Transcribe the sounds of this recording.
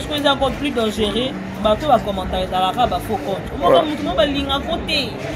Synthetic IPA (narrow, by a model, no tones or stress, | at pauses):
skoezakɔplidɔ̃ʒeʁe | batobakɔmɔ̃taezalakabafokɔntomɔnamutumɔbaliŋɡakotɛ